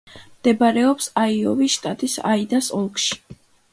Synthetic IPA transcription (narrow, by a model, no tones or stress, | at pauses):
md̪̥ɛbaɾɛɔpsaiɔ̰viʃt̪ʼat̪ʼisa̰id̪asɔlˠkʃi̥